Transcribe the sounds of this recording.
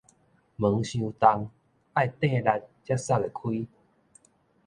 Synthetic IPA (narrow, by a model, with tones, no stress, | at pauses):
mə˨˦ŋɕjũ˧t̪a˧ŋ | a˥˨jt̪ẽ˥˧la˧t̚t͡ɕja˦sa˥˧˩e˨˩kʰwi˦